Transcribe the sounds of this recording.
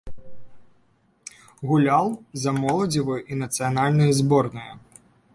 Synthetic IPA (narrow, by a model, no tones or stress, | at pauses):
ɣulʲalˠzɐmɔlˠɐd͡zʲivɨjʔinɐt̪sɨjanalʲnɨjɐzbɔrnɨjɐ̰